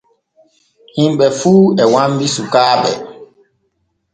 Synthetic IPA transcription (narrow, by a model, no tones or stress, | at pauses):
himɓɛfuːɛwambisukaːɓɛ̰